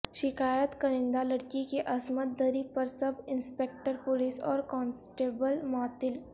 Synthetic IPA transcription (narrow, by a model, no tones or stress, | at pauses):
ʃɪkaːjət̪kɐɾɪ̃nd̪alɐɽkikeʔɐsmət̪̚d̪əɾipɐɾsɐbʱɪ̃nspeːk̚ʈəɾpʊliːsɔːɾkɔ̃ːnsʈeːbəlmaːt̪ɪl